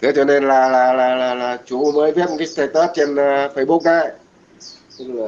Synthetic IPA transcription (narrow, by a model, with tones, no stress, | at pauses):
t̪ʰe˨˦t͡ɕɔ˧ne˧nlaː˨˩laː˨˩laː˨˩laː˨˩laː˨˩t͡ɕu˨˦məː˨˦jvɛ˦˥p̚m˨˩kaː˨˦st̪aː˧˩jt̪əː˦˥t̚t͡ɕe˧nː˨fə˧˩jɓu˦˥k̚kaː˧˩j | ɨ˧˨